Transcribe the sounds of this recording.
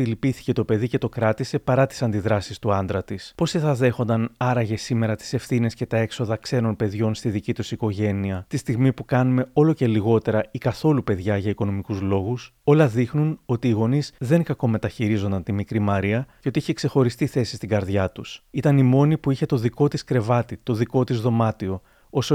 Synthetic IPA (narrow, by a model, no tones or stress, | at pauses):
ilipiθi̥ce̞t̪o̞pe̞ðice̞t̪o̞kɾɐt̪ise̞pɐɾɐt̪i̥sɐnd̪iðɾɐsist̪uɐnd̪ɾɐt̪ispo̞siθɐðe̞xo̞nd̪ɐnɐɾɐʝe̞sime̞ɾɐt̪i̥se̞fθine̞sce̞t̪ɐe̞kso̞ðɐkse̞no̞npe̞ðʝo̞nst̪iðicit̪usiko̞ʝe̞niɐt̪ist̪iɣmipukɐnume̞o̞lo̞ce̞liɣo̞t̪e̞ɾɐikɐθo̞lupe̞ðʝɐʝɐiko̞no̞mikuzlo̞ɣuso̞lɐðixnuno̞t̪iːɣo̞nizðe̞ŋkɐko̞me̞t̪ɐçiɾizo̞nd̪ɐnt̪imikɾimɐɾiɐceo̞t̪iiçekse̞xo̞ɾist̪iθe̞si̥st̪iŋɡɐɾðʝɐt̪usit̪ɐnimo̞nipuiçe̞t̪o̞ðiko̞t̪iskɾe̞vɐt̪it̪o̞ðiko̞t̪izðo̞mɐt̪io̞ | o̞so